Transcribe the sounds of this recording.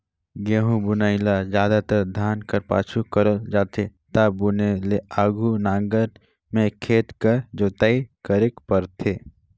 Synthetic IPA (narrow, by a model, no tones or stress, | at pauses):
ɡeːɦũbʊnaːɪlad͡ʒjaːd̪at̪əɾd̪ʱaːnkəɾpa̰ːt͡ʃʰukɐɾəld͡ʒaːt̪ʰet̪abʊneleaːɡʱunãːŋɡəɾ | mẽkʰeːt̪kəɾd͡ʒoːt̪aikəɾekpəɾt̪ʰeː